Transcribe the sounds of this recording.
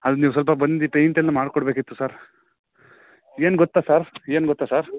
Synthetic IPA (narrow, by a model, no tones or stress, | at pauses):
ɐd̪uniːʋus̬ɐlp̬ɐbɐnd̪ipejɳʈɛlːɐmaːɽkɔɽbeːkit̪ːusaːɾ | eːnɡɔt̪ːaːsaːɾeːnɡɔt̪ːasaːɾ